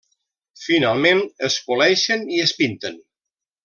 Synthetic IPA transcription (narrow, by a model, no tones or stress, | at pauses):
finalˠmẽnəskulɛʃəniəspint̪ən